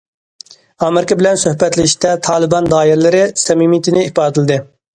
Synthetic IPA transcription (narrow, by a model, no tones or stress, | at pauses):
ɑːmɪɾɪkʲɑbɪlɛnsøhbɛt̪lɪʃt̪ɛt̪ʰɑːlˠɨbɑnd̪ɑːjiɾlɪɾɪsɛmimit̪ʰɪnɪipɑːt̪ʰɨlɨd̪ɨ